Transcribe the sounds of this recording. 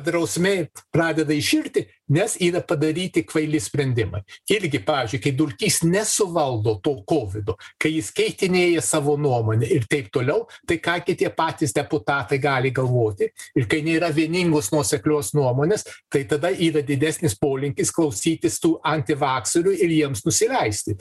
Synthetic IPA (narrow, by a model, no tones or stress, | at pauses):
d̪ɾɐʊsʲmʲeːprɑːd̪ʲɛd̪ɐɪʃʲɪrʲt̪ʲɪ | nʲɛsiːɾɐpɐd̪ɐɾʲiːt̪ʲɪkʋɐɪlʲɪsʲpʲɾʲɛnʲd̪ʲɪmɐɪɪɾʲɡʲɪpɑːʋʲɪːzʲd͡ʒʲʊɪkɐɪd̪ʊlʲkʲiːsnʲɛsʊʋɐlˠd̪oːt̪oːkoːʋʲɪd̪okɐɪjɪskʲɛɪt̪ʲɪnʲeːjɛsɑːʋoːnuɔmoːnʲɛɪrt̪ʲɛɪpt̪oːlʲɛʊt̪ɐɪkɑːɡʲɪt̪ʲiɛpɑːt̪ʲɪsd̪ʲɛpʊt̪ɑːt̪ɐɪɡɑːlʲɪɡɐlˠʋoːt̪ʲɪɪrkɐɪnʲeiɾɐʋʲiɛnʲɪŋɡoːsnuɔsʲɛklʲoːsnuɔmoːnʲeːst̪ɐɪt̪ɐd̪ɐʔiːɾɐd̪ʲɪd̪ʲæːsʲnʲɪspoːlʲɪŋʲkʲɪsklˠɐʊsʲiːt̪ʲɪst̪uːʔɐnʲt̪ʲɪʋɑːksoɾʲʊɪɾjiɛmsnʊsʲɪlʲɛɪsʲt̪ʲɪ